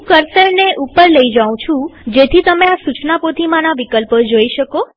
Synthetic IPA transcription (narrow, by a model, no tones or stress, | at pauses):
kəɾsəɾneʔupəɾləid͡ʒaũt͡ʃʰũd͡ʒet̪ʰit̪əmeasut͡ʃnapot̪ʰimãnaʋikəlpd͡ʒoiʃəko